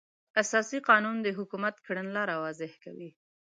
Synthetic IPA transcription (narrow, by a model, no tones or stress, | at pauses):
asɑsiqɑnund̪əɦʊkumat̪kɽənlɑɾawɑzɪhkawi